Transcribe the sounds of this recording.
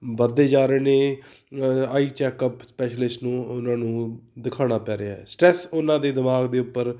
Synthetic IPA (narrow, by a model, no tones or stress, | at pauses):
bəd̪eːd͡ʒaːɾeːnẽː | aːiːt͡ʃɛːkəpspɛːʃlɪsʈnũːʊnãːnũːd̪ɪkʰaːɽ̃aːpɛːɾeaːɦɛ̰ːsʈɾɛːsʊnãːd̪eːd̪ɪmaːɡd̪eːʊpːəɾ